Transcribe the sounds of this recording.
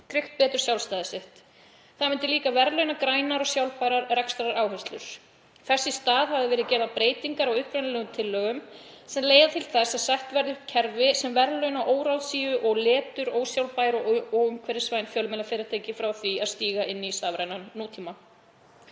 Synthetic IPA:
k̪ʰɾɪht̪̚pɛːt̪ʏɾ̥sjawlst̪aːðɪsɪht̪ | θamɪnt̪ɪliːkavɛɾlœɥnakɾaːjnaɾɔɣsjawlpaːjɾaɾrɛkst̪aɾaɾaːwɦɛst̪lʏ̰ɾ̥ | θɛsːɪst̪aːðhavðɪvɪːɾɪcɛːɾðapɾeːjt̪iŋkaɾaɣʏhpɾajnlɛːɣʏmt̪ʰɪlːœːɣʏm | sɛmleːjðat̪ʰɪlθɛsaðsajht̪vɛɾðɪcʰɛɾvɪsɛmvɛɾlœɥnaʔoːwɾawðsiːʏʔɔɣlɛːt̪ʏɾowsjawlpaːjɾɔoːwʏmkʰvɛːɾɪ̥svajnfjœlmɛːlafɪːɾɪɾt̪ʰeːjcɪfɾawθviaðst̪iːɣaʔɪnːist̪aːvɾajnannːoːt̪ʰiːma

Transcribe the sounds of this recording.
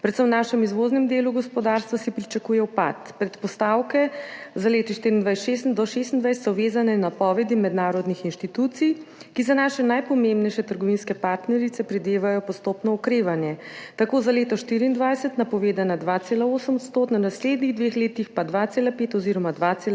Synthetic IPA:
pɾɛt̪səmnaːʃɛmizʋoznɛmd̪eːluɡɔspɔd̪aɾst̪ʋasipɾit͡ʃakuːjɛwpa̰t̪pɾɛt̪pɔst̪awkɛzaleːt̪iʃt̪iɾiːnd̪ʋajsʃest̪nd̪ɔʃes̬t̪ind̪ʋajst̪sɔʋeːzanɛnapɔʋɛd̪imɛd̪naːɾɔd̪nixinʃt̪it̪uːt̪sijkizanaːʃɛnajpɔmẽmbnɛjʃɛt̪əɾɡɔʋinskɛpaɾt̪nɛɾit̪sɛpɾɛd̪eːʋajɔpɔst̪oːpnɔɔkɾeːʋanjɛt̪akoːzaleːt̪ɔʃt̪iɾiːnd̪ʋajsɛt̪napɔʋeːd̪anad̪ʋat̪seːlaoːsəmɔt̪st̪oːt̪nanasleːd̪niɣd̪ʋexleːt̪ixpad̪ʋat̪seːlapeːt̪ɔziɾɔmad̪ʋat̪sel

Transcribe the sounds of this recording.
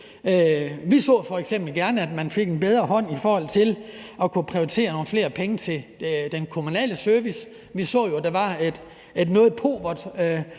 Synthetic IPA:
øʋisɔ̰ːfɒ̽eɡ̥sem̰b̥l̩ɡ̥æɐnəæd̥mænfe̝ɡ̥e̝nb̥eð̞ˠʁɐɦɒ̽n̰ifɒːhɒ̽l̰t͡sʰe̝lʔɒ̽kʰupʰʁio̝it͡sʰe̝̰ːɐno̝ːn̩fle̝ːɐpʰeŋət͡sʰe̝d̥enkʰo̝munɛ̰ːləsøɐʋis | ʋisɔ̰̽ːjod̥ɑ̈ʋɑ̈e̝d̥ | e̝d̥nɔ̽ːð̞̩ˠpʰo̝̰ːʋɐd̥

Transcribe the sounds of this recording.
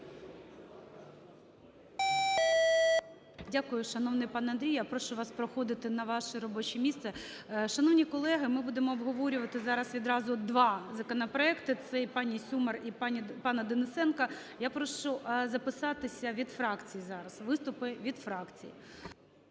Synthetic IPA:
dʲakʊjʊʃɐnɔwnɪjpɑnɐnd̪ɾʲijapɾɔʃʊʋɑspɾɔxɔd̪ɪt̪ɪnɐʋɑʃɛɾɔbɔt͡ʃimʲist̪sɛ | ʃɐnɔwnʲikɔlˠɛɦɪmɪbud̪emɔːbɦɔʋɔɾʲʊʋɐt̪ɪzɑɾɐsʋʲid̪ɾɑzʊd̪ʋɑzɐkɔnɐpɾɔɛkt̪ɪt̪sɛipɑnʲisʲumɐripɑnʲpɑnɐd̪enɪsɛnkɐjapɾɔʃʊzɐpɪsɑt̪ɪsʲɐʋʲid̪fɾɑkt͡sʲijizɑɾɐsʋɪst̪ʊpɪʋʲid̪fɾɑkt͡sʲḭjḭ

